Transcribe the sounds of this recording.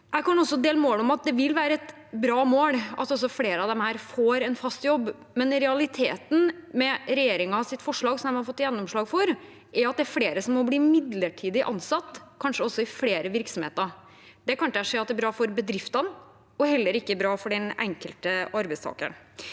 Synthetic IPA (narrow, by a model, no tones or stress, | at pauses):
jɛɪkɑnɔsːɔd̪eːləmoːlɔmɑt̪̚d̪ɛʋɪlʋæːɾəɛt̪ | bɾɑːmoːlɑt̪ɔs̬ɔfleːɾəɑʋd̪ɛmhæːɾfoːɾɛnfɑst̪jɔbː | mɛnɾɛɑlɪt̪ʰeːt̪n̩mɛɾɛjeːɾɪŋɑsɪt̪ːfɔʂɭɑːɡsɔmɛmhɑɾfɔt̪ːjɛnːɔmʂɭɑːɡfɔɾ | ʔɛɾɑt̪̚d̪æɾfleːɾəsɔmːɔbliːmɪd̪ləʈʰiːd̪ɪʔɑ̰nsɑt̪ːkʰɑnʂəɔsːɔɪfleːɾəʋɪɾksɔmhḛːt̪əɾ | d̪ɛkɑnt̪æʂɛːɑt̪̚ːæɾbɾɑːfɔɾbəd̪ɾɪft̪ɑn | ɔhɛlːəɾɪkːəæbɾɑːfɔɖɛnɛ̰ŋkəlt̪əɑɾbɛɪst̪ʰɑ̰ːkə̰ɳ